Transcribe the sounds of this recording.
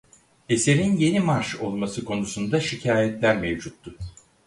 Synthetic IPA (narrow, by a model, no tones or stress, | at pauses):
e̞se̞ɾinje̞nimaɾʃo̞lˠmasɯkʰo̞nusund̪aʃicʰaːjɛt̪lʲæɾmevd͡ʒut̪ːʊ